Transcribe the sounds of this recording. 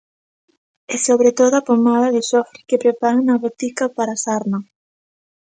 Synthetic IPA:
ɛsoβɾet̪oðʊapomaðɐðɪsɔfɾikepɾepaɾaŋnɐβot̪ikɐpaɾasaɾnɐ

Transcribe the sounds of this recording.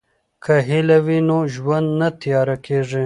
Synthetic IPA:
kʰaɦilawinoʒwand̪nat̪ijɑɾakʰeʐi

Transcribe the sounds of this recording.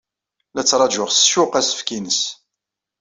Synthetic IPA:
læt͡sːɾˤɑʒʊʁsʃʊqæsə̥fkinəs

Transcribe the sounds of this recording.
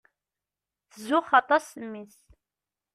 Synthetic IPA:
θzʊχɑt̪ˤɑsəmːis

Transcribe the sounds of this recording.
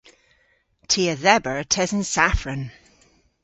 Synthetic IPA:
tʰiəðɛbəɹtʰɛzənsafɹən

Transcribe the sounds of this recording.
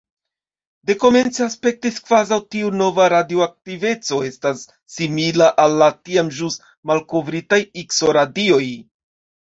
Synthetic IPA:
de̞ko̞me̞nt͡seaspe̞k̚tiskvazawtiuno̞vaɾadioak̚tive̞t͡so̞e̞stasː | imilaʔalːatiamʒus | malko̞vɾitajikso̞ɾadio̞j

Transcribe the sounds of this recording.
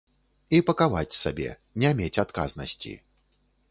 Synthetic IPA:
ipɐkavat͡sʲsabʲɛ̰ | nʲamʲet͡sʲat̪ka̰znɐ̰sʲt͡sʲḭ

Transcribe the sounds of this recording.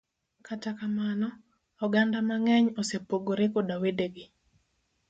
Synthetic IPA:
katakamanɔ | ɔɡandamaŋɛɲosepoɡoɾekodawideɡɪ

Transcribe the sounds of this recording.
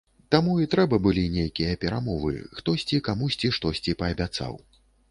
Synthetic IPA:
t̪amuit̪ɾɛbɐbɨlʲinʲejkʲijɐpʲɛɾamɔvɨ̰xt̪ɔsʲt͡sʲikamusʲt͡sʲiʂt̪ɔsʲt͡sʲipɐːbʲat̪sa̰w

